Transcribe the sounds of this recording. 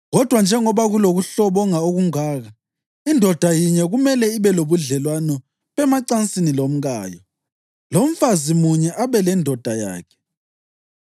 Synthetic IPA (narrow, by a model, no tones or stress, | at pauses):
ɣɔd̥ʱwand͡ʒʱɛŋɔβaɣuloɣuɬɔβɔŋaoɣuŋaːɣa | indʱɔd̥ʱajiɲɛɣumɛlɛiβɛloβuɮɛlwanɔ | βɛmaǀant͡sʼinilom̩ɣaːjɔ | lom̩fazimuɲɛʔaβɛlɛndʱɔd̥ʱaja̰ːkʰɛ̥